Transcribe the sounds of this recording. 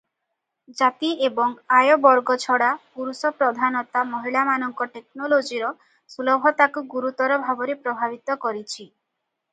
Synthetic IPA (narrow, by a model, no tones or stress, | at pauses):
d͡ʒat̪iʔebɔŋajɔbɔɾɡɔt͡ʃʰɔɽapuɾusɔpɾɔd̪ʱanɔt̪amɔɦiɭamanɔŋkɔʈeknolod͡ʒiɾɔ | sulɔbʱɔt̪akuɡuɾut̪ɔɾɔbʱabɔɾepɾɔbʱabit̪ɔkɔɾit͡ʃʰi